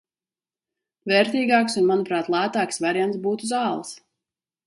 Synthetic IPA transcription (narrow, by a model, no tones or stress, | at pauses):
vɛɾt̪iːɡaːksunmanupɾaːt̪lˠæːt̪aːksvaɾjant̪sbuːt̪uzɑːlˠs